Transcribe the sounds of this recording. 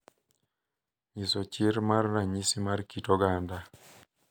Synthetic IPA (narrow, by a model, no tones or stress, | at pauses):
ɲisɔt͡ʃɪɾmarːaɲisimarkitɔɡanda